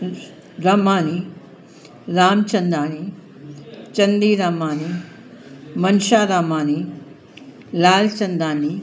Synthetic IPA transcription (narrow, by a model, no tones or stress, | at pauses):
ɾaːmaːni | ɾaːmt͡ʃɐnd̪aːni | t͡ʃɐnd̪iːɾaːmaːni | mɐnʃaːɾaːmaːni | laːlt͡ʃɐnd̪aːni